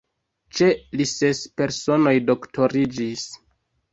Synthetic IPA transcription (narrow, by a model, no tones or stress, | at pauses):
t͡ʃe̞lisespe̞ɾso̞no̞jdo̞ktʰo̞ɾid͡ʒis